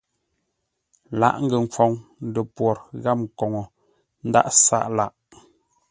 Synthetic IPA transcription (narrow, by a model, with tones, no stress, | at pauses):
la̰˨ʔŋ̩˦ɡə˨ŋ˨kwɔ˨ŋn̩˦də˨pwɔ˨ɾɣa˦˨p̚kɔ˨ŋɔ˨ | n̩˦da̰˦ʔsa̰˦ʔla˨ʔ